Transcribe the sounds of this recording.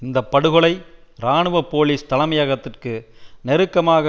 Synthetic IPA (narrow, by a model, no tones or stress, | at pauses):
ɪnd̪ɐpːɐɽɯɣɔɭɐɪɾaːɳɯʋɐpoːliːst̪ɐlɐmɐjɐɣɐt̪ːɪrkɯnɛɾɯkːɐmaːɣɐ